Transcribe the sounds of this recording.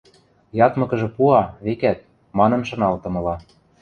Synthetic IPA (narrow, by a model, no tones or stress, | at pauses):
jɑt̪mɤ̆kɤ̆ʒɤ̆puɑβekæt̪̚ | mɑnɤ̆nʃɤ̆nɑlt̪ɤ̆mɤ̆lɑ